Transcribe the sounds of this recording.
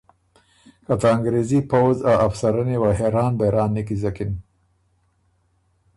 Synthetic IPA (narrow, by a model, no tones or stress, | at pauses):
kat̪aːŋɡɾezipawzawafsaɾənewaɦeɾɑːnbaɾɑːnːikizakin